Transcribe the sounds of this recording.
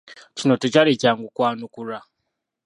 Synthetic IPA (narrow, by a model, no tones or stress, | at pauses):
cinotucaɾecaŋɡukwaːnukuɾa